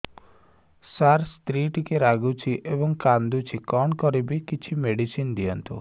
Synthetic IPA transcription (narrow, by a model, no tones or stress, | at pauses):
saɾst̪ɾiʈikeɾaɡut͡ʃʰiʔebɔŋkand̪ut͡ʃʰikɔɳkɔɾibikit͡ʃʰimeɽisind̪iɔnt̪ṵ